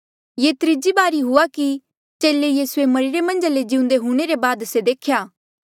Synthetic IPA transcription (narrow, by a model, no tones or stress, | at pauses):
jeːt̪ɾɪd͡ʒibaːɾiɦʊaki | t͡ʃeːlejiːsuemɐɾiɾemɐ̃nd͡ʒaled͡ʒɪ̃ʊ̃nd̪eɦũːɽ̃eɾebaːd̪sed̪eːkʰjaː